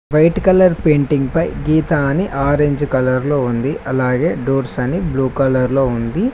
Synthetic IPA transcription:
ʋɐjʈkɐlɐɾpeːɳʈiŋɡpɐjɡiːt̪aːniʔaːɾeɲd͡ʒkɐlɐɾloːund̪iʔɐlaːɡe̞ːɖoːɾsɐnibluːkɐlɐɾlo̞ːund̪i

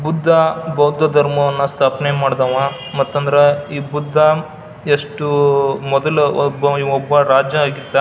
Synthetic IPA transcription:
bud̪ʱːabɐwd̪ʱɐd̪ʱɐɾmɐʋɐnːɐst̪ʰaːpnemaːɽd̪aːʋa | mɐt̪ːɐnd̪ɐɾeiːbud̪ʱːɐ | eʂʈumɔd̪ɐlɔbːɐiɔbːɐɾaːd͡ʒjɐaːɡit̪ːɐ

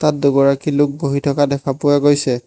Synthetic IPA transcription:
tat̚dʊɡɔɹakilʊk̚boɦitʰɔkadɛkʰapʊjaɡojsɛ

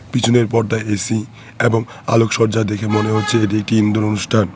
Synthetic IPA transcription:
pit͡ɕʰuneɾpɔɾd̪aeesi | eboŋ | a̰lokʃɔɾd͡ʑad̪ekʰemoneɦotːɕʰeeʈ̬iek̚ʈiind̪oɾonuʃʈʰan

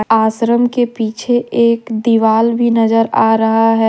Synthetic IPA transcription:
aːsɾəmkepiːt͡ʃʰeeːkd̪iʋaːlbʱinɐd͡ʒəɾaːɾɐɦaɦɛː

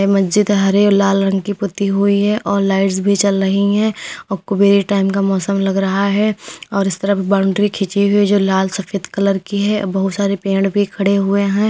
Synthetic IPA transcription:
ɛmɐsd͡ʒɪd̪ɦɐɾelaːlɾɐ̃ŋɡkipʊt̪iɦʊiɦɛ̃ʔɔːɾlaːɪʈsbʱit͡ʃɐlɾɐɦiɦɛ̃ɔkʊbeːɾiʈaːɪmkamɔːsəmlɐɡɾɐɦaɦɛɔːɾɪst̪əɾəbʱibaːʊ̃ɳɖɾikʰɪt͡ʃiɦʊid͡ʒoːlaːlsɐfeːd̪kɐləɾkiɦɛbɐɦʊt̪saːɾepẽːɳɖbʱikʰɐɽeɦʊeɦɛ̃ː

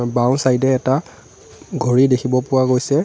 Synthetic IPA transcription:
baw̃nsajdɛːta | ɡʱoɹidekʰibɔpʊwaɡojsɛ

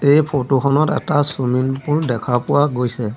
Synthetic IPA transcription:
ejpʰotokʰɔnɔtɛtasuminpuɹdɛkʰapʊwaɡojsɛ

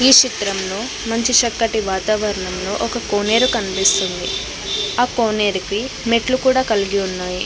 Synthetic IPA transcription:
iːʂit̪ɾɐmlo̞ː | mɐɲt͡ʃiʃɐkːɐʈiʋaːt̪aːʋɐɾɐɳɐmlo̞ːʔɔkɐkoːne̞ːɾukɐnpist̪und̪ḭ | aːkoːne̞ːɾiki | meʈlukuːɽaːkɐliɡiunːaːji

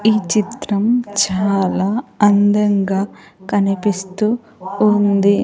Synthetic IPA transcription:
iːt͡ʃit̪ɾɐmt͡ʃaaːlaːɐnd̪ɐŋɡaː | kɐnipist̪uː | nd̪i

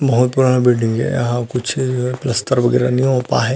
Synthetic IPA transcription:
bɐɦʊt̪̚puɾanabiɖɪ̃ŋɡɛ̰ɐɦãkʊt͡ʃʰd͡ʒoɦɛplɐst̪əɾʋɐɡɛːɾaniõpa̰ɦɛ

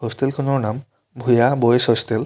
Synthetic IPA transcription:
ɦost̪elkʰonoɾnam | bʱujaboesost̪el

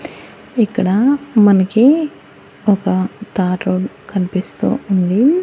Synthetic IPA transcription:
ikːɐɽɐmɐnɐki | ɔkɐt̪aːɾɾoːɖ | kɐnipist̪ṵːuɳɖ̪i

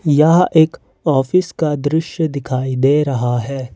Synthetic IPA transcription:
jɐɦʔeːk | ɔːfɪskad̪ɾɪʃjəd̪ɪkʰaːid̪eːɾɐɦaɦɛː

